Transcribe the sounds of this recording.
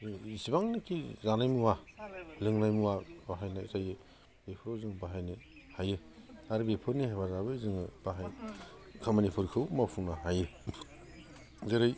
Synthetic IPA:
isibaŋnɯkʰizanajmuwalɯŋnajmuwabaɦajnaizajɯ | bepʰuɾozɯŋbaɦajnɯ | hajɯaɾbepʰɯɾnihajbazabɯzɯŋɯb̥aɦajkʰamanipʰuɾkʰɯwmapʰuŋnaɦajɯ | zɯɾɯj

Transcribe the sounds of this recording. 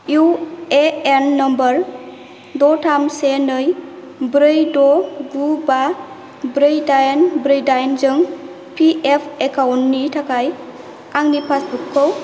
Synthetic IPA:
jueenːʌmbəɾ | dɔtʰamsenɯj | bɾɯjdɔɡuba | bɾɯjdajnbɾɯjdajnzɯŋ | pʰiepʰekʰawntːitʰakʰaj | aŋnipʰasbukʰːɯw

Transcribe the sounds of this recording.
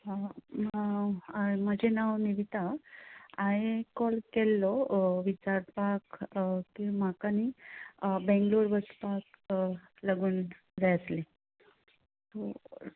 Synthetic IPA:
aa | məd͡ʑenawniʋit̪a | aɦekɔlkelːɔʋit͡ɕaɾpakkĩm̤akani | bɛ̃ŋɡloɾbət͡spak | laɡuːn | ɾajəsle | t̪o

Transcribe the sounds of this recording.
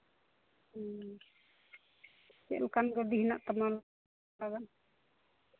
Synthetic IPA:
kɛ̰ʔlkanɡɔd̪iɦnaʔt̪amal | aɡan

